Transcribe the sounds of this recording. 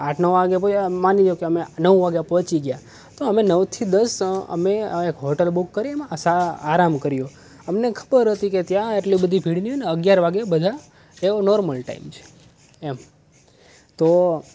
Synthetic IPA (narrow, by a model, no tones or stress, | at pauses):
aʈʰnəʋʋaɡjapomanid͡ʒjokeəmenəʋʋaɡjapɔt͡ʃiɡja | t̪oəmenəʋt̪ʰid̪əsə̰meekɦoʈəlbukːəɾiemsaːɾamkəɾijo | əmnekʰə̥bəɾɦət̪iket̪jãeʈlibəd̪ʱibʱiɽnioneəɡjaɾʋaɡjabəd̪ʱa | eonoɾməlʈa̰imt͡ʃʰe̥ | em | t̪o